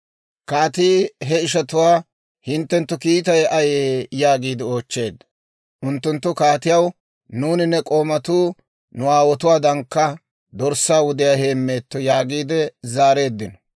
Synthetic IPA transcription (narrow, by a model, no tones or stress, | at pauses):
kaːt̪iːɦɛɪʃɐt̪ʊwaː | hɪnt̪ːɛnt̪ːʊkiːt̪ɐjɐjeːjaːɡiːd̪ɛo̞ːt͡ʃːe̞ːd̪ːɐ̥ | ʔʊnt̪ːʊnt̪ːʊkaːt̪ɪjɐw | nuːnɪnːɛkʼo̞ːmɐt̪uː | nʊaːwɔt̪ʊwaːd̪ɐŋkːɐ | d̪ɔɾsaːwʊd̪ɪjaːhe̞ːmːe̞ːt̪ːɔjaːɡiːd̪ɛzaːɾe̞ːd̪ːɪnɔ̥